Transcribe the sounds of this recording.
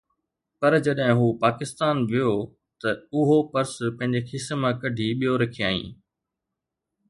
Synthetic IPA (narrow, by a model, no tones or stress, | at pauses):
pɐɾd͡ʑɐɗɦɪ̃ɦuːpaːkɪst̪aːnʋijo | t̪ɐʊɦopɐɾspɐ̃ɦɪ̃ɲd͡ʑekʰɪsmãkɐɖʱiɓijoɾɐkʰijaːḭ̃ː